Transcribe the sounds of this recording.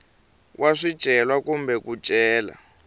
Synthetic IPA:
wʔaʂid̥ʒ̥ʱɛlwakumbɛku̥ʒ̥ʱʼɛːla̰

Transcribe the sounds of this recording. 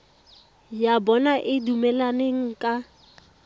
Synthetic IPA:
jabɔnaʔɪdumɛlaneŋ̩kʼa

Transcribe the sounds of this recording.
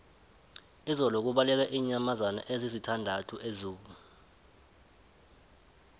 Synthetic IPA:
izɔlɔk̬uɓalɛk̬ɛʔiːɲamazana̰ʔezizitʰandʱatʰuʔezuːk̬u

